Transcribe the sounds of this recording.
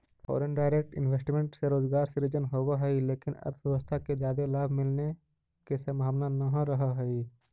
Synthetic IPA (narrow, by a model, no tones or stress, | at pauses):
fʰɔ̰ːɾənɖaːɪɾeːk̚ʈɪ̰nweːsʈmẽɳʈseɾoːd͡ʒɡaːɾsɪɾɪd͡ʒənɦoːwaɦɛileːkɪnɐ̰ɾt̪ʰʋjɛʋəst̪ʰaked͡ʒjaːd̪elaːbʱmɪlne | kesemaːmnanəɦãɾɐɦaɦɛi